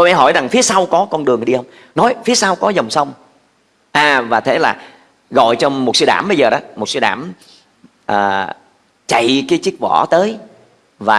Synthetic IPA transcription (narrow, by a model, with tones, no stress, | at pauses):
t̪o˧mɛ̰˧˦ɦɔ˧˩jza˨˩ŋfi˨˦əsa˧wkɔ˨˦kɔ˧nɗɨ˨˩əŋɗi˧hə˧wŋ͡m | nɔ˨˦jfi˨˦əsa˧wkɔ˨˦zə˨˩wŋ͡msə˧wŋ͡m | ʔaː˨˩vaː˨˩t̪ʰe˨˦laː˨˩ | ɣɔ̰˧˨jt͡ɕɔ˧mo˨˩t̚sɨ˧˦ɗa̰ː˧˩mɓə˧jzəː˨˩ɗɔ˨˦mo˨˩t̚sɨ˧˦jɗa̰ː˧˩m | ʔəː˨˩ | t͡ɕa̰˧˨jkaː˨˦t͡ɕi˦˥k̚vɔ̰˧˩t̪əː˨˦j | vaː˨˩